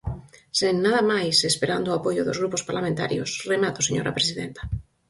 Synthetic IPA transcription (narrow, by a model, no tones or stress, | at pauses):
seŋnaðamajsespeɾand̪oapoʎoðo̰zɣɾupospaɾlamẽnt̪a̰ɾjo̰sremat̪oseɲo̰ɾa̰pɾesiðẽnt̪ḁ